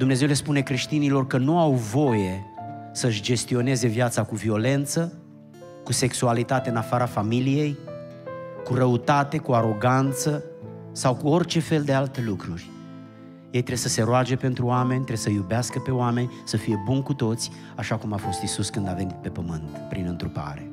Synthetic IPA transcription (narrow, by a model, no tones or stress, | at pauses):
d̪umne̞ze̞wle̞spune̞kɾe̞ʃt̪inilo̞rkənuawvo̞je̞səɨʃd͡ʒe̞st̪io̞ne̞ze̞vjat̪sakuvio̞le̞nt̪sə | kuse̞ksualit̪at̪e̞ɨnafaɾafamilije̞j | kuɾəut̪at̪e̞kuaɾo̞ɡant̪sə | sawkuo̞rt͡ʃe̞fe̞ld̪ealt̪e̞lukɾurʲ | je̞jt̪ɾe̞səse̞ɾoad͡ʒe̞pe̞nt̪ɾuamenʲt̪ɾesəjubeaskəpe̞oame̞nʲsəfije̞bunkut̪o̞t̪sʲ | aʃakumafo̞st̪isuskɨnd̪ave̞nit̪̚pe̞pəmɨnt̪pɾinɨnt̪ɾupa̰ɾe̞